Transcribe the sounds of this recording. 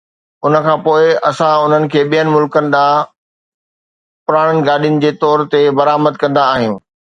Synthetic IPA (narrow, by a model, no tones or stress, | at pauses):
ʊnə̆kʰãːpoːɪɐsãʊn̤ənɪ̆kʰeːɓijənɪ̆mʊlkənɪ̆ɗ̪aː | pʊɾaːɽ̃ənɪ̆ɡaːɗijʊnɪ̆d͡ʑeːt̪ɔːɾt̪ebɐɾaːməd̪̚kɐ̃nd̪aːɦɪj̃